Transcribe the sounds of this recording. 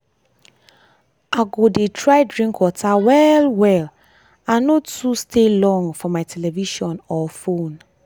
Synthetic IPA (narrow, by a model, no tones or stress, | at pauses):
aɡodetʰɹaɪdɹĩŋkwɔtawɛlwɛl | anotustʰelɔ̃ŋfɔmaɪtʰɛlɛviʃɔ̃nɔfõn